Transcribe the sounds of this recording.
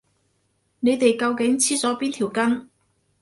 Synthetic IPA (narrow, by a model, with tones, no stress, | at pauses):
ne˨˧jt̪e˨jkɐ˧wkɪ˨˥ŋt͡sʰiː˥t͡sɔː˨˥piː˥nt̪ʰi˨˩wkɐ˥n